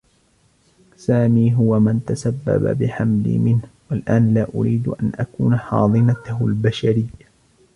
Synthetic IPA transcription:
saːmiːɦʊwamant̪asabːa̰ba̰bɪħamlḭmɪnhwalʔaːnlaːʔʊɾiːd̪ʔanʔakuːnaħɑ̰ːðˤɨnat̪ʊhlbaʃaɾɪjːa

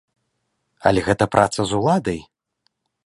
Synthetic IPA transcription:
ɐ̰lʲɛɣɛt̪ɐpɾʔat̪sɐzulˠad̪ɐj

